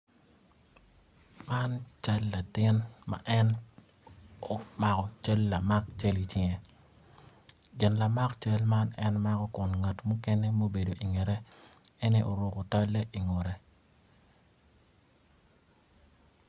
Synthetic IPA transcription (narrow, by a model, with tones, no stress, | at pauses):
ma˦nt͡ʃa˦lːa˨tɪ˦nma̰˨ʔɛ˦n | ɔ˦ma˦kɔ˦t͡ʃə˦lːa˨ma˦kt͡ʃə˦li˦t͡ʃɪŋɛ˨ | d͡ʒɪ˨nla˨ma˦kt͡ʃə˦lma˦nɛ˦nma˦kɔ˦kʊ˨nŋa˨tmu˦kɛ˦nɛ˦mo˦be˨do˨ʔi˨ŋɛ˨ɾɛ˦ɛ˦ni˦ʔo˨ɾʊ˨ko˨tɔ˦lːɛ˦ʔi˨ŋo˨ɾɛ˨